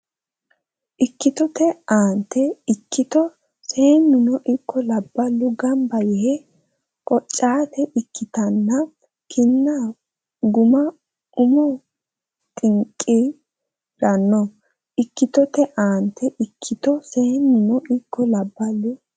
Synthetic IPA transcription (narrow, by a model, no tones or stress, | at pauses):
ʔɪkːɪt̪ɔt̪ɛaːnt̪ːɛɪkʰːɪt̪ɔ | seːnːʊnɔʔɪkʰːɔlɐbːɐlːʊɡɐmbɐjɛhɛ | kʼɔt͡ʃʼːaːt̪ɛʔɪkːɪt̪ɐnːɐ | kʰɪnːa | ɡʊmɐ | ʔʊmɔ | t̪ʼɪŋkʼːi | ɾɐnːɔ | ʔɪkːɪt̪ɔt̪ɛʔaːnt̪ʰːɛʔɪkʰːɪt̪ɔseːnːʊnɔʔɪkʰːɔlɐbːɐlːʊ